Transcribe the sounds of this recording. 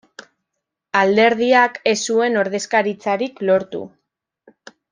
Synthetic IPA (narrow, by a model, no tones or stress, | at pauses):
ald̪e̞ɾð̞iake̞sue̞no̞ɾðe̞skaɾit͡saɾiklo̞ɾt̪ṵ